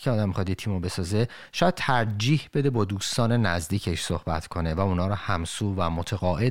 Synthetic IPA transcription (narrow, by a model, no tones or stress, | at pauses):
kʰeɒːd̪æmːixɒd̪jet̪ʰiːmobe̞sɒːze | ʃɒːjæd̥̪̚t̪ʰæɾd͡ʒiːhbe̞d̪ebɒːd̪uːst̪ɒːne̞næzd̪iːcʰeʃso̞hbæ̰t̪ʰkʰo̞ne̞væunɒːɾɔhæmsuːvæmot̪ʰeɣɒːʔe